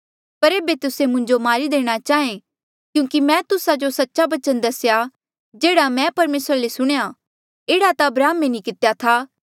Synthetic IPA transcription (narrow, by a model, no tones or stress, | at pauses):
pɐɾeːbet̪ʊsemʊ̃ɲd͡ʒomaːɾid̪eːɽ̃at͡ʃaːẽ | kjũːkimɛ̃t̪ʊsad͡ʒosɐtːʃabɐt͡ʃənd̪ɐsja | d͡ʒeːɽamɛ̃pɐɾmeːsɾalesʊɽ̃ja | eːɽat̪aɐbɾaːmːenĩkɪt̪ejat̪ʰaː